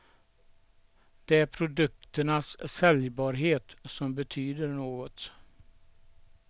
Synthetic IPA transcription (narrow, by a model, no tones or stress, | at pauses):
d̪̥ɛæɾpʰɾʊd̪ɵk̚t̪əɳasːɛljbɑːɾɦeːt̪sɔmbɛt̪ʰyːd̪əɾɳoːɡɔt̪